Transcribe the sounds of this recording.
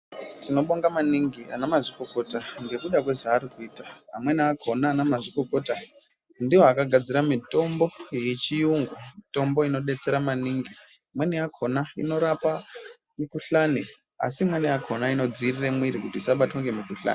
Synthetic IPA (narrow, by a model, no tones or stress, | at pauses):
tʰino̞ɓoŋɡamaniŋɡia̰namaʐiko̞ko̞taŋɡe̞kuɗak̬we̞ʐaːɾikuiːtaɦa̰mwe̞niakʰo̞naːnamaʐiko̞ko̞ta | ndiwakaɡʱad͡ziɾamito̞mbo̞jet͡ʃijuŋɡwamito̞mbo̞ino̞ɗe̞t͡se̞ɾamaniŋɡi | mwe̞nejakʰo̞naino̞ɾapa | mikuɬani | a̰simwe̞nejakʰo̞naino̞d͡ziriremwiɾikutiːsaɓatwoŋɡe̞mikuɬa̰ːni